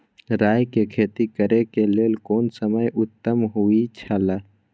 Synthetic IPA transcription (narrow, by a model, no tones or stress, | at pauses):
ɾaːjkekʰeːt̪ikəɾekeleːlkoːnsəməjʔʊt̪ːəmɦuit͡ʃʰaːlaː